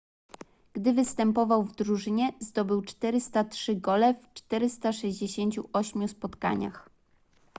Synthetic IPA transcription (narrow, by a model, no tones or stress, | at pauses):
ɡ̥d̪ɘvɘst̪ɛmpɔvawvd̪ɾuʐɘɲɛzd̪ɔbɘwt͡ʂt̪ɛɾɘst̪atʂɘɡɔlɛft͡ʂt̪ɛɾɘst̪aʂɛʑd͡ʑeɕeɲt͡ɕuɔɕmʲjuspɔt̪ka̰ɲa̰x